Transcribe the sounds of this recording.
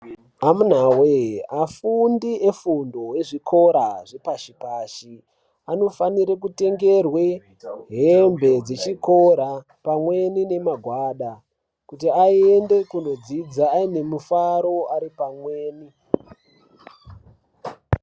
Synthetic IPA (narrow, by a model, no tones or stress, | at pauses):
amun̤aweafundiʔe̞fundo̞we̞ʐikʰo̞ɾaʐepaʃipaːʃi | ano̞faniɾekute̞ŋɡe̞rwe | ɦembe̞d͡zet͡ʃiko̞ɾa | pamwe̞nine̞maɡʱwaːɗa | kutiaiende̞kuno̞d͡zid͡zaːine̞mufaɾo̞aɾipamweːni